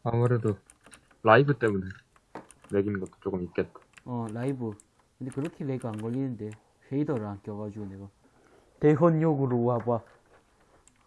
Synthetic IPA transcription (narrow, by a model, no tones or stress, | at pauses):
amuɾedo | laibɯt͈emune | neɡinɡʌt͈o̥t͡ɕ͈okɯmik͈et̚t͈ḁʌlaibɯ | kʰɯnd̪ekɯɾʌkʰeleɡɯaŋɡʌlːinɯnd̪e | ɕeid̪ʌɾaŋkjʌɡad͡ʑuneɡʌ | t̪eɦonjoɡɯɾowabwa